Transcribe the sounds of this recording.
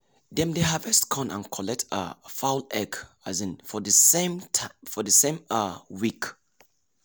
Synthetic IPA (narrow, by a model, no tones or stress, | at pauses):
dɛ̃mdeɦavɛstkʰɔ̃nã̰nkʰɔlɛtʰə̰faʊlɛɡ | azĩnfɔdəsemtʰafɔdəsẽmawik